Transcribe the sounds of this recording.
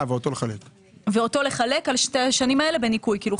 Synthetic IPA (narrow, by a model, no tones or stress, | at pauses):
veot̪o̞leχalek | veo̞to̞le̞χale̞kalʃteaʃanimaele̞be̞nikujkiːlu